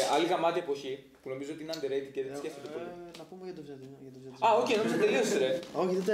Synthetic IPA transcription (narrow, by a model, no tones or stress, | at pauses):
ɐliɣɐmɐt̪iepoçi | puno̞mizoot̪iineɐnd̪eɾet̪iceðesceft̪et̪epɾot̪enɐpumɐt̪o | ɐoceno̞mizɐnd̪e̞liost̪ɾeoçiðed̪ɐ